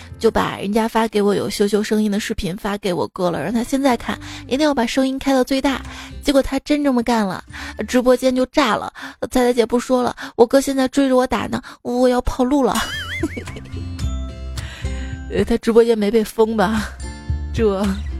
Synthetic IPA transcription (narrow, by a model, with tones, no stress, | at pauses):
t͡ɕjo˥˩ʊpa̰˨˩ɻə̰˧˥nt͡ɕja˥fa˥ke˧˥ɪwɔ˧˥jo̰˨˩ʊɕjo˧˥ʊɕjo˧˥ʊʂɤ˥ŋi˥ŋd̪ə˨ʂɻ̩˥˩pʰi˧˥nfa˥ke˧˥ɪwɔ̰˨˩kɤ˥lə̰˨ɻa˥˩t̪ʰa˥ɕjɛ˥˧nt͡sa˥˧ɪkʰa̰˥˩n˧˥t̪ŋjɑ˥˩pa˨˩ʂɤ˥ŋi˥nkʰa˥ɪd̪ɑ˥˧ʊt͡swe˥˧ɪt̪a˥˩t͡ɕjɛ˧˥kwɔ˨˩t̪ʰa˥ʈ͡ʂə˥nʈ͡ʂɤ˥˩mə˨ka˥˩nlə̰˩ʈ͡ʂɻ̩˧˥p̬wɔ˥t͡ɕjɛ˥nt͡ɕjo˥˧ʊʈ͡ʂa˥˩lə̰˩t͡sʰa˥ɪt̪a˥jɛ˨˩pu˥˩ʂwɔ˥lə̰˨wʔɔ˨˩kɤ˥ɕjɛ˥˧nt͡sa˥˧ɪʈ͡ʂwe˥ɪʈ͡ʂə˩wɔ˧˥t̪a̰˨˩nə̰˧˩˥wɔ˨˩jɑ˥˧ʊpʰɑ˥˧ʊlu˥˩lə̰˩˧˥ | t̪ʰa˥ʈ͡ʂɻ̩˧˥pwɔ˥t͡ɕjɛ˥nme˧˥ɪpe˥˩ɪfɤ˥ŋbɐ˨ | ʈ͡ʂɤ˥˩